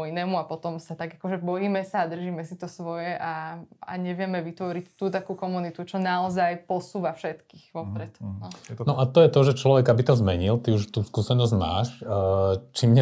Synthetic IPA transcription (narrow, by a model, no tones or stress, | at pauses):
inɛːmuapɔt̪ɔmsat̪aɡakɔʒɛbɔjiːmɛsaːd̪r̩ʒiːmɛsit̪ɔsʋɔjɛʔaa̰ɲɛʋɪɛmɛʋit̪ʋɔɾict̪uːt̪akuːkɔmunit̪ut͡ʃɔnaɔzajpɔsuːʋafʃɛt̪kiːɣʋɔpɾɛt̪nɔnɔʔat̪ɔjɛt̪ɔʒɛt͡ʃlɔʋɛɡabit̪ɔzmɛɲilt̪iuʃt̪uːskuːsɛnɔzɟma̰ːʃ | t͡ʃimɲɛ